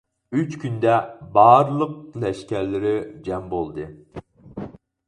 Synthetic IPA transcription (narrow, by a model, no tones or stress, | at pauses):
yt͡ʃkʲʰynd̪ɛbɑɾlˠəq̚lɛʃkʲɛɾlɪɾɪd͡ʒɛmbolˠd̪ɨ